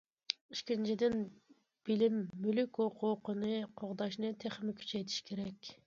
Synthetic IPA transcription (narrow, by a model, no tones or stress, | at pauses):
iʃkʲint͡ʃʰid̪ɪn | b̥ɪlɪmːylykʲoqʰʊqənɨqʰoʁd̪ɑʃnɨt̪ʰeχmɪkʲʰy̥t͡ʃʰɛjt̪ʰi̥ʃkʲʰeɾɛkʲ